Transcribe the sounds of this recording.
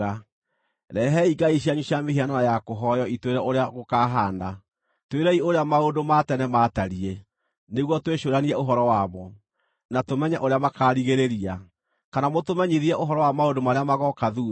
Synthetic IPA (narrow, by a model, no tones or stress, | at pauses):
a | ɾɛɦɛiɡaiɕiaɲuɕjameɦianɔjakoɦɔjɔitweɾɛoɾeaɣokaɦaːnda | tweɾɛioɾeamaondomatɛnɛmaːtaɾiɛ | neɣwɔtweʃoɾaniɛoɦɔɾɔwaβɔ | natomɛɲɛʔoɾeamakaːɾiɣeɾeɾia | kanamotomɛɲiðiɛʔoɦɔɾɔwamaondomaɾeamaɣɔkaðu